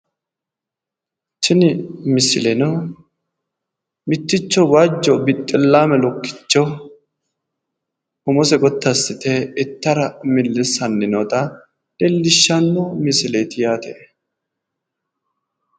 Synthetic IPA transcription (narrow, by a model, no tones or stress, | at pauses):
t͡ʃɪnɪmɪsɪlɛno | mɪt̪ːɪt͡ʃːɔwaːd͡ʒːɔbɪt̪ʼːɪlːaːmɛlɔkːɪ̥t͡ʃːɔ | ʊmɔsɛɡɔt̪ːɐsːɪt̪ɛɛt̪ːɐɾɐmɪlːɛsɐnːɪnɔt̪ɐ | d̪̥ɛlːɪʃːɐnːɔmɪsɪleːt̪ɪjaːt̪ḛ